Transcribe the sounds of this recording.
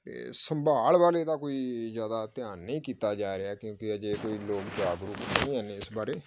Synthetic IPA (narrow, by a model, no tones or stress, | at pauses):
t̪ḛːsəmbʱaːɭʋaːleːd̪aːkoːiːzjaːd̪aːt̪ɪjaːnːəĩːkiːt̪aːd͡ʒaːɾeaːkjõːkiəd͡ʒeːkoːiːloːkd͡ʒaːbɾʊːkːĩːɦɛːneːɪsbaːɾeː